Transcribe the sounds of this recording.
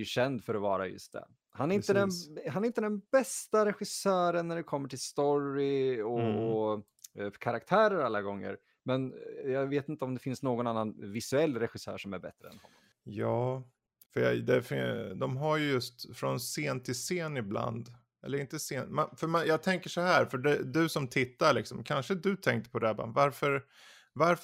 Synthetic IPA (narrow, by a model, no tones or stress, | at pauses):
jɵɕɛnd̪fœɾɔvɑːɾa̰jɵ̰st̪̚d̪ɛ̰ | hanæɾɪnt̪əd̪ɛnɦanæɾɪnt̪əd̪ɛnbɛst̪aɾɛɧɪsœːɾənːæɖɛkʰɔmːəʈʰɪlst̪ɔɾɪɔɔ | kʰaɾak̚t̪ʰæːɾəɾalːaɡɔŋːə̰ɾ | mɛnjɑːveːt̪ɪnt̪əɔmd̪ɛfɪnsnoːɡɔnanːanvɪsʉɛlːɾɛɧɪsœ̰ːʂɔmæɾbɛ̰t̪ɾəɛ̰nhɔnmːɔ | jɑː | fœjɑ̰d̪ɛfɪd̪ɔmɦaɾjɵjɵst̪fɾɔnseːnt̪ʰɪlseːnɪbla̰nd̪ | ɛlːəɾɪnt̪əseːnmɛnfœmanjɑːɡt̪ʰɛŋkəʂɔɦæːɾfœɖɛd̪ɵsɔmt̪ʰɪt̪ːaɭɪksɔmkʰanʂəd̪ɵt̪ʰɛŋkt̪ə̥pʰɔd̪ɛba̰vaɾfœɾ | vaɾ